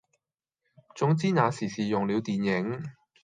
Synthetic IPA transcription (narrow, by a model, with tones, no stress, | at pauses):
t͡sʊ˨˥ŋt͡siː˥naː˨˧siː˨˩siː˨jʊ˨˩ŋliː˨˧wt̪iː˨njɪ˨˥ŋ